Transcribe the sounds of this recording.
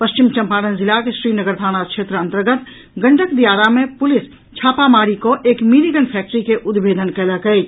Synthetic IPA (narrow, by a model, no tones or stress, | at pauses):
pəst͡ʃimt͡ʃəmpaːɾənzilakesɾinəɡəɾt̪aːnat͡ʃʰet̪ɾəə̃nt̪əɾɡət̪ | ɡəɳʈəkd̪ijaɾamepulis | t͡ʃʰaːpamaɾikoʔekmiɾiɡənpʰɛk̚ʈəɾikeʔud̪bʱed̪ənkɛləkəj